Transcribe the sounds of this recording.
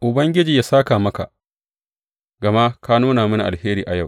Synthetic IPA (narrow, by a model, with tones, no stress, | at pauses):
ʔʊ˨bɐ˦ŋɡʲɪ˦d͡ʒiː˨jaː˦saː˦kaː˨mɐ˦ka̰˨ | ɡɐ˨ma˦kaː˦nuː˦naː˨mɪ˦na˨ʔa˨heː˦ɾiː˨ʔa˨ja˦˨w